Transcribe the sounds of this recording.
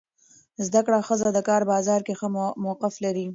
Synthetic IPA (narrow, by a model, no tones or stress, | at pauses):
zd̪akɽaxəzad̪əkɑːɾbɑzɑɾkexəmawqɪflaɾi